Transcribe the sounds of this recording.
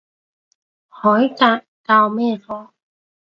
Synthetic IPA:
hɔː˨˦jkaː˧˩ʔkaː˧wmɛː˥˨fɔː˧˩

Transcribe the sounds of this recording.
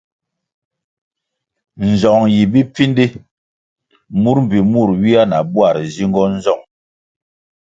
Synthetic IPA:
n̩˨zɔ˨ŋji˨bi˦p͡fi˦ndi˦ | mu˦ɾm̩˨bi˨mu˦˨ɾwi˦a˦na˨bwa˦˨ɾzi˦ŋɡɔ˦n̩˦zɔ˦˨ŋ

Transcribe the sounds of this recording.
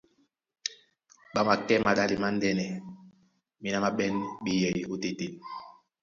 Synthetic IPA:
ɓa˦ma˨kɛ˦ma˨ɗa˦li˨ma˦n˦dɛ˦nɛ˨ | mi˦na˦ma˦ɓɛ˦nɓi˦jɛ˨i˨o˦te˨te˨

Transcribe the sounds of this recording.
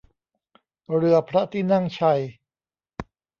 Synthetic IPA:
ɾɯ˧˩ɐpʰɾa˦˥t̪ʰiː˥˩na˥˩ŋt͡ɕʰa˧˩j

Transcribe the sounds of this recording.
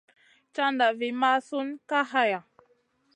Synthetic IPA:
t͡ʃa˦nda˨vi˨ma˦su˦nka˦ɦa˦ja˨

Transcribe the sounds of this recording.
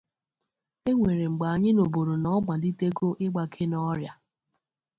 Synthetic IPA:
e˦ŋʷe˨ɾe˨ŋ͡m̩˨ɡ͡ba˨a˨ɲɪ˦no˨bo˨ɾo˨nɔ˦ɡ͡ba˨di˦te˦ɡo˦ʔɪ˦ɡ͡ba˨kʰe˦nɔ˦ɾja˨

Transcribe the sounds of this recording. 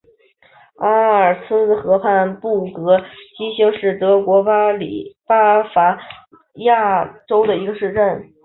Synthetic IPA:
a˥ə˞˨˩sʰɹ̩˥xɤ˧˥pʰa˥˧npu˥˩kɤ˧˥t͡ɕi˥ɕi˥ŋʂɻ̩˥˩t̪ɤ˧˥kwɔ˧˥pa˥lḭ˨˩pa˥fa˧˥ | ja˥˩ʈ͡ʂo˥ʊd̪ə˨i˧˥ɡə˧ʂɻ̩˥˧ʈ͡ʂə˥˩n

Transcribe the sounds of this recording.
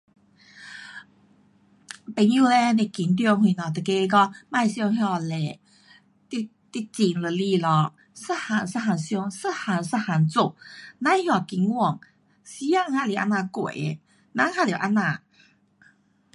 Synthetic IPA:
pe˨˩˦nju˥˧le˧le˧˩ki˨˦nt̪̬jɔ˧ŋɦĩ˧˩nɔ˨˩t̪ə˨˩ke˧˦˧kɔ˧mã˥˧jɕjɔ˥˧ŋɦjɔ˧˩le˨ | t̪i˧ | t̪i˧t͡ɕi˨˩ŋlə˨˩li˧lɔ˧˩ | sə˥˧ha˨˧˩nsə˧ɦa˨˩nɕjɔ˧˦ŋsə˥ha˨˩nsə˧ha˨˩nt͡su˧˨nã˧˦hjɔ˧˩ki˨˦nwɔ˥˧˨ŋ | si˧˦ja˥˧ŋha˧˨li˨ʔa̰˧˥nːã˧kwḛ˨˦ | nã˧˦ha˧˨lo˨˩˨ʔa˧nːa˧˨

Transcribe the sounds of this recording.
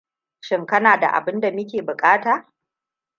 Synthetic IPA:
ʃɪ˦ŋkɐ˦naː˨da̰˨ʔa̰˨bɪ˦nda˨mɪ˦kʲeː˨bʊ˨kʼaː˦taː˨

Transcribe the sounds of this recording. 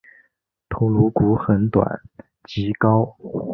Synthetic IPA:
t̪ʰo˧˥ʊlu˧˥ku˧˥xə˧˥nt̪wa̰˨˩˦n | t͡ɕi˧˥kɑ˥ʊ

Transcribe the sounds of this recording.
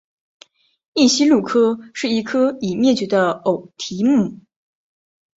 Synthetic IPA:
i˥˩ɕi˥lu˥˩kʰɤ˥ʂɻ̩˥˩i˧˥kʰɤ˥i˨˩mjɛ˥˩t͡ɕɥɛ˧˥d̪ə˧o˨˩ʊt̪ʰi˧˥mu˥˩

